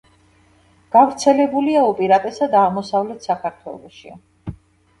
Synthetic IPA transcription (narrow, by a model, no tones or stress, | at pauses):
ɡ̥avɾt̪sʰɛlɛbuliaupʼiɾat̪ʼɛsad̪aʁmɔsavlɛt̪ʰsakʰaɾt̪ʰwɛ̰lˠɔ̰ʃḭ